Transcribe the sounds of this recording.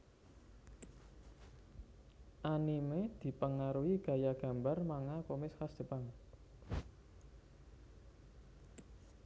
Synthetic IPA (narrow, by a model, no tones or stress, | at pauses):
ʔanimed̪̥i̤pəŋaɾuiɡ̥ä̤jaɡ̥ä̤mbarmaŋakomɪskasd̪̥ə̤paŋ